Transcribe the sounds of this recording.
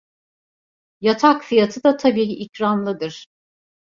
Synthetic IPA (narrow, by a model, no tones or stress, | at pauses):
jat̪ʰakfijat̪ʰɯd̪at̪ʰabiːiʔicɾanlˠɯd̪ɯɾ̥